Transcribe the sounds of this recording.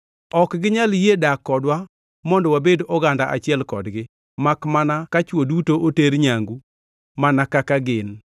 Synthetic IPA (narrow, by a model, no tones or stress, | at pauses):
ɔkɡɪɲaljedakːɔdwa | mɔndɔwabedɔɡandaʔa̰t͡ʃɪɛlkɔdɡɪ | makmanakat͡ʃwodutoʔoteɾɲaŋɡu | manakakaɡɪn